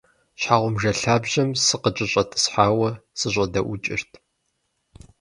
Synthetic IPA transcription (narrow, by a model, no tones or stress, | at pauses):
ɕħaːʁʷʊmʒɐɬaːbʑɐmsɨqət͡ʃʼɪɕʼɐtʰɨ̥sħaːwɐsɨɕ̬ʷʼɐdɐʔʷʊt͡ʃʼɪ̰rtʰ